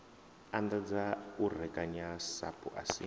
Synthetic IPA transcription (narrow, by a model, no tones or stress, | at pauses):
and̪ad͡zaur̤ɛkʼaɲasa̰pʰʼṵʔa̰sḭ